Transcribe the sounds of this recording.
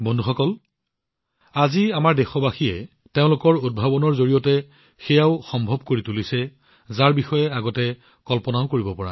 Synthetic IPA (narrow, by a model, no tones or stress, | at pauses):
bɔndʱuxɔkɔl | aziamaɹdɛxɔbaxiɛ | teʊ̃lʊkɔɹod̚bʱabɔnɔɹzoɹijɔtɛ | xɛjaʊxɔmbʱɔbkoɹitulisɛ | zaɹbixɔjɛaɡɔtɛ | kɔlpɔnaʊkoɹibɔpɔɹa̰